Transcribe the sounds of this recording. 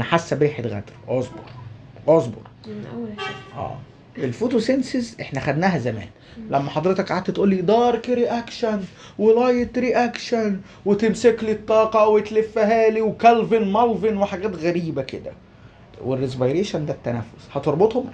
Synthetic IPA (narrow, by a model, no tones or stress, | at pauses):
ħasːæbɾiːħed̪ɣæ̰d̪ɾʔozbo̰ɾˤ | ʔozˤbo̰ɾˤ | ʔæ̰ː | ʔelfoːt̪osensezʔeħnæxæd̪næːhæzæmæ̰ːn | læmːæħɑd̪ˤɾet̪ɑkʕaːd̪æt̪ʔuːlːiːd̪ˤɑːɾˤkɾiʔækʃæn | welɑjet̪ɾiʔækʃæn | wet̪emseklit̪ˤːɑːqɑwet̪lefːæɦæːliwkælvenmɑlvenweħaɡæːt̪ɣæɾiːbækḛd̪æ̰ | werːezvajɾeːʃænd̪æt̪ːænæfːoshɑt̪eɾˤbot̪hom